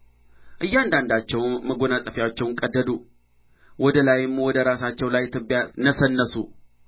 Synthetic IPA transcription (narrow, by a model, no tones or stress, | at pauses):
ʔɨjːand̪and̪at͡ʃːɛwnməɡonasʼəfijawt͡ʃːɛwŋkʼəd̪ːəd̪u | wɔd̪əlajɪmːwɔd̪əɾasat͡ʃːɛwlajt̪ʰːɨbːijanəsənːəsṵ